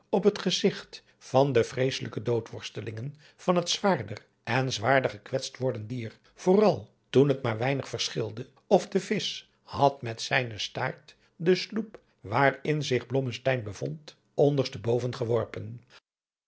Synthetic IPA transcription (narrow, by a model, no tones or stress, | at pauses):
ɔpɦətχəzɪχt | fɑndəfrejsələkədowtʋɔɹstəlɪŋən | v̥ɑnɦətsʋaːɹdər | ɛnzʋaːɹdəχəkʋɛtstʋɔɹdəndiːr | v̥ʊːrɑlˠ | tunɦətmaːɹʋɛjnəχfəɹsχɪlˠdə | ɔfdəvɪs | hɑtmɛtsɛjnəsta̰ːɹt | dəslup | ʋaːrɪnzɪχblɔməstɛjnbəvɔnt | ɔndəɹsdəbowvənχəʋɔɹpən